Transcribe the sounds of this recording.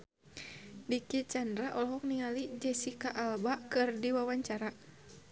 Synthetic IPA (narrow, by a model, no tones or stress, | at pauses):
dikit͡ʃandɾaʔɔlɦɔk̚niŋalid͡ʒɛsikaʔalbakɨrdiwawaɲt͡ʃaɾa